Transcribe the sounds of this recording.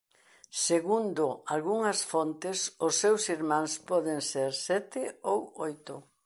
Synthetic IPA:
seɣund̪ʊalɣuŋɐsfont̪ɪsʊsːewsiɾmãŋspɔðeŋseɾsɛt̪ɪowojt̪ʊ

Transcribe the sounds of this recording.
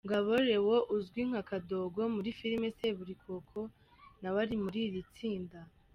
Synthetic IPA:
ŋɡaβo̞ɾe̞woʔuzɡwiŋ̥hakado̞ɡo̞muɾifiɾimese̞βuɾikʰo̞kʰo̞ | naβaɾimuɾiɾit͡siːnda

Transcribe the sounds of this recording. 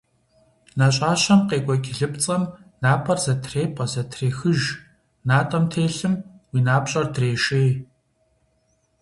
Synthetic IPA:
naɕʼaːɕɐmqeːɡʷʼɔkʲɪɮɨp̚t͡sʼɐmnaːpʰʼɐrzɐtʰreːpʼɐzɐtʰreːxɨʒ | naːtʼɐmtʰeːɬɨmwiːnaːpɕʼɐrdreːʃeː

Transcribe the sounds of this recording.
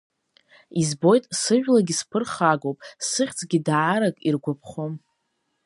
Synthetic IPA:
izbo̞jtʼsɨʒᶣʷlaɡʲispʰɨrχaɡowpʼsɨχʲt͡sʼɡʲidaːɾakʼirɡʷapʰχom

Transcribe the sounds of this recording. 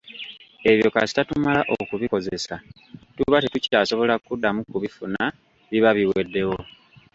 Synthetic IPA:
e̞βjo̞kasi̥tatumalaʔokuβiko̞ze̞sa | tuβatetucaːso̞βo̞lakudːamukuβifuna | βiβaβiwe̞dːe̞wo̞

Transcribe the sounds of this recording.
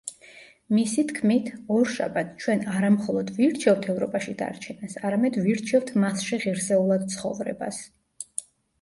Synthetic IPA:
misit̪ʰkʰmit̪ʰɔɾʃa̰bat̪̚ʰt͡ʃʰwɛnaɾamχɔlˠɔd̪viɾt͡ʃʰɛvt̪ʰɛvɾɔpʼaʃid̪a̰ɾt͡ʃʰɛnasaɾamɛd̪viɾt͡ʃʰɛvt̪ʰmasʃiʁiɾsɛulˠad̪t̪sʰχɔ̰vɾɛ̰ba̰s

